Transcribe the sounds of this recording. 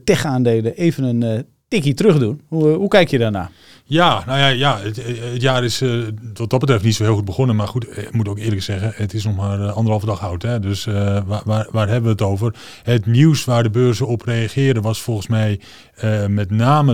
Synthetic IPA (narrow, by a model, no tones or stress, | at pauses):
tɛxaːndeːləʔejvənən | tɪkitrøxdunuɦukɛjkjədana̰ː | janawjajaəətjaːɾɪsʋɔt̚d̥ɔtbətrɛftnitsoɦɪːlˠxut̚bəχonənmarχutkmutowkɪːləksɛɣəətɪsnɔxmaːrɑndərəɦɑlˠvədɑxawtɦɛdøsʋaʋaʋaːrɦɛbəʋəətowvər | ətniwsʋaːrdəbøːrzəɔprejaχɪːrdəʋɑsfɔlˠχən̩smɛj | əmɛtnaːmə